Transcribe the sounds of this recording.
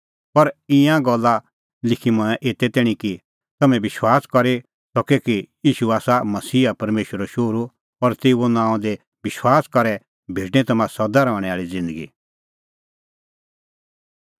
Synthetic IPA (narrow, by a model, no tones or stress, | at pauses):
pɐɾɪ̃jãɡɔlːa | lɪkʰimɐ̃ɛ̃ʔeːt̪ɛt̪ɛːɽ̃ĩki | t̪ɐmɛ̃bɪʃwaːskɐɾe | t̪ɔkekijiːʃuaːsamɐsiːapɐɾmeːʃəɾoʃoːɾu | ɔɾt̪eːonãːɔ̃d̪e | bɪʃwaːskɐɾɛ | bʱeːɖñɛ̃t̪ɐmãsɔd̪aɾɔːɽ̃ɛaːɭid͡zɪ̃nd̪əɡḭ